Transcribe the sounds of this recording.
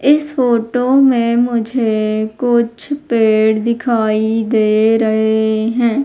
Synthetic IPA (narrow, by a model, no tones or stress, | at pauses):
ɪsfoːʈomẽmʊd͡ʒʱekʊt͡ʃʰpeːɽd̪ɪkʰaːid̪eːɾɐɦeɦɛ̃ː